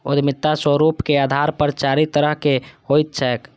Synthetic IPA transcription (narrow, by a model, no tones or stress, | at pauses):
od̪mɪt̪ːaswəɾupkead̪ʱaɾpəɾt͡ʃaɾit̪əɾəɦkehojt̪̚t͡ʃʰɛːk